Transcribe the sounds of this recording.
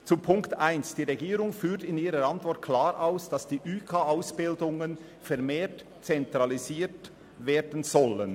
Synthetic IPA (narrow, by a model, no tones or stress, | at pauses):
t͡supʰʊŋktaɪnsd̥iːʁeɡiːɾʊŋfyːtɪniːɾəɾantv̥ɔt̚kʰl̥aːɾʔaʊsd̥ɑsd̥iːʔyːkʰaaʊsb̥ɪldʊŋən | fɛɾmeːt | t͡sɛntʁaliziːt | veːdən̩zɔlən